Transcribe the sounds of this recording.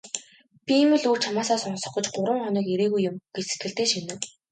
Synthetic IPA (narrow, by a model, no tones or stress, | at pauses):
pʲiemɘ̆ɮuːt͡ɕʰamaːsaːsɔnsɞ̆χɞ̆t͡ɕɢʊɾə̆ŋχɔniːkeɾeːɣujːʊmɡ̥et͡ɕse̥t̪̚ɡɘ̆ɬt̪eːʃinɘ̆w